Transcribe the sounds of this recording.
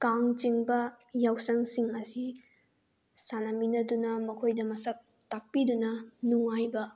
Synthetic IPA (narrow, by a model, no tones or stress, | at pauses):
kaŋt͡ʃiŋbɐ | jawsɐŋsiŋɐsi | sanɐminɐdunɐmɐkʰojdɐmɐsɐk̚ | tak̚pidunɐnuŋajbɐ